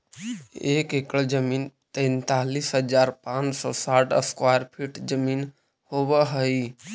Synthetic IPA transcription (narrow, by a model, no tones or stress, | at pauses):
eːkekɽəd͡ʒəmiːnt̪ɛ̃nt̪alisɦəd͡ʒaɾpãt͡ʃsɔ̰saʈə̰skwajəɾpʰiʈd͡ʒəmiːn | hobəɦəi